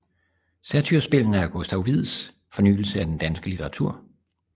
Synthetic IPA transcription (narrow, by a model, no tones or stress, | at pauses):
sæɐt͡sʰyɐsb̥e̝l̰n̩æɐɡ̥osd̥æʊʋið̰ˠs | fɒ̽ny̰ːl̩səæd̥end̥ænsɡ̥əlit͡sʰeʁɑ̈t͡sʰṵɐ̰